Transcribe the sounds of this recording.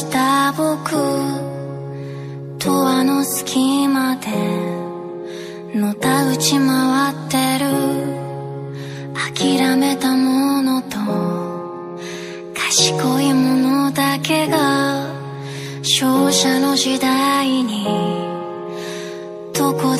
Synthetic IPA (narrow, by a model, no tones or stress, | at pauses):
t̪abokɯ̟ | t̪ʰoβano̞sɨ̥kʲʰimad̪e̞ | no̞t̪aɯ̟t͡ɕimaβat̪ːe̞ɾɯ̟ | akʲiɾame̞t̪amono̞t̪o | kʰḁɕi̥koimo̞nod̪ake̞ɡa | ɕoːɕano̞ʑid̪aiɲ̟i | t̪oko